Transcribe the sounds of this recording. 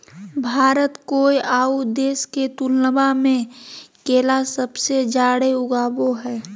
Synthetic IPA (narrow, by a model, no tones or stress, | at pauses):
bʱaːɾət̪koːiʔaːud̪eːsket̪ulnəbamẽkeːlasəbsed͡ʒaːɽeʊɡaːboɦɛː